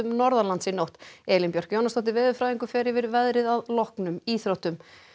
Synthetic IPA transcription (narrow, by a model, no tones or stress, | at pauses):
ʏmnɔɾðalansinowht̪ɛːlinpjɔr̥kjownast̪ɔht̪ɪɾvɛːðʏfɾaːjðiŋkʏfɛːɾɪvɪɾvɛðɾɪðaðlɔhknʏmiːθɾowht̪ʏm